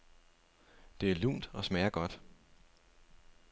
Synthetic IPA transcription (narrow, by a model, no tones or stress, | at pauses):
d̥e̝æɐlṵːnd̥ɒ̽smɛːɐɡ̥ɒ̽d̥